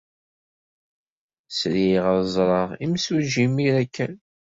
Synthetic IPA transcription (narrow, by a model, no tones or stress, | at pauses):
sɾiʁəɾzˤɾˤɑʁimsuʒimiɾækːæn